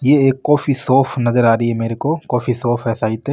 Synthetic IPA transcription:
jeːeːkːɔːfisɔːfʰnɐzəɾaːɾəiɦɛmeːɾekokɔːfisɔːfʰɛːsait̪eː

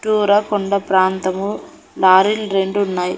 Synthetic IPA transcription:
ʈuːɾɐkɔɳɖɐpɾaːnt̪ɐmu | laːɾilɾeɳɖuːnːaːj

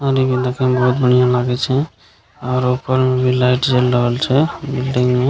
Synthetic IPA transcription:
ɔɾibid̪akẽbɔɦut̪̚bəɳijãlaɡɛt͡ʃʰɛ | ɔːɾupəɾmebʱilajʈd͡ʒelːəɦəlt͡ʃʰɛbilɖiŋme

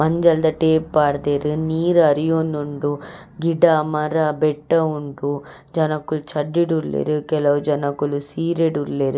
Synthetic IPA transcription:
mɐɲd͡ʒɐld̪ɐʈeːpːaːɽd̪eːɾɨniːɾɐɾijoːnːoɳɖu | ɡiɖamɐɾɐbɛʈːɐuɳɖu | d͡ʒɐnɐkːult͡ʃɐɖːiɽullḛːɾukɛlɐʋud͡ʒɐnɐkːulusiːɾeɖuɾleːɾɨ

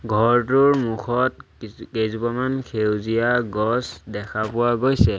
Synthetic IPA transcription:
ɡʱɔɹtʊɹmukʰɔtkezupamankʰewzijaɡɔsdɛkʰapʊwaɡojsɛ

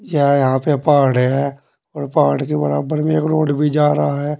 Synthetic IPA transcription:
jɛjɐɦãpepaːɽɦɛ | ɔːɾpaːɽkebəɾaːbəɾmẽkɾoːɖbʱid͡ʒaːɾaaɦɛː

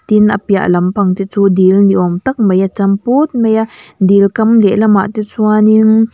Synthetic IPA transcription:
t̪inʔapia̰ʔlɐmpʰɐŋt̪it͡suːd̪ilniʔɔmt̪ɐk̚majat͡sɐmput̪̚mejaʔd̪ilkɐmlɛʔlama̰ʔt̪it͡sʰuaniŋ

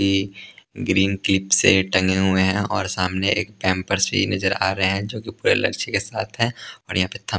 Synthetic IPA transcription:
i | ɡɾiːnklɪpseʈɐ̃ŋɡeɦʊeɦɛ̃ɔːɾsaːmneeːk̚pɛ̃ːmpəɾsɾḭnɐd͡ʒəɾa̰ːɾɐɦeɦɛ̃d͡ʒõːkipuːɾḛlɐ̰ɾt͡ʃekesaːt̪ʰɦɛ̃ɔːɾjɐɦãpet̪ʰɐ

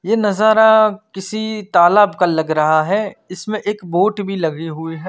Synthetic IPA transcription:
jeːnɐzaːɾakɪsit̪aːlaːbkalɐɡɾɐɦaɦɛɪsmẽʔeːkboːʈbʱilɐɡiɦʊiɦɛː

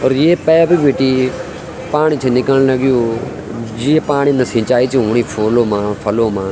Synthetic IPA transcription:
ɔːɾjeːpɛːbiʋeːʈiː | paːɳ̃it͡ʃʰeːnɪkəɽ̃ləɡɪjoː | d͡ʒɪepaːɳ̃iːnəsɪ̃ːt͡ʃaːit͡ʃʰĩʊɳ̃iːpʰoːloːmãːpʰəloːmãː

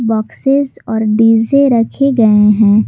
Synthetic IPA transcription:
bɔːksɪzɔːɾɖiːzeɾɐkʰeɡɐeɦɛ̃ː

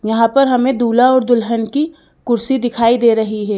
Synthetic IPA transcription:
jɐɦãpɐɾɦɐmẽd̪uːlaɔːɾd̪ʊlɦənki | kʊɾsid̪ɪkʰaːid̪eːɾɐɦiɦɛː

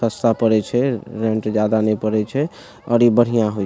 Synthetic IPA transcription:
əst̪apəɾɛt͡ʃʰɛɾeɳʈd͡ʒad̪anɛpəɾɛt͡ʃʰɛ | ɔ̰ɾibəɽ̤ijãɦoj

